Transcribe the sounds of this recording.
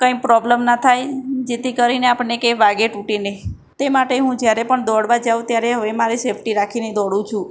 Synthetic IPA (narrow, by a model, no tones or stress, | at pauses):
kə̃ĩpɾɔbləmnat̪ʰajd͡ʒet̪ikəɾineapəɳekeʋaɡeʈuʈine | t̪emaʈeɦũd͡ʒjaɾepəɳd̪ɔɽʋad͡ʒaũt̪jaɾeɦəʋemaɾisepʰʈiɾakʰined̪ɔɽũt͡ʃʰũ